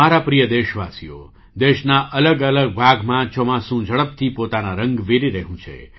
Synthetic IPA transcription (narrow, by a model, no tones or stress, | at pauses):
aɾapɾijəd̪eʃʋasijo̰ | d̪eʃnaʔələɡələɡ̚bʱaɡmãt͡ʃomãsũd͡ʒəɭəp̚t̪ʰipot̪anaɾəŋɡʋeɾiɾəɦũt͡ʃʰḛ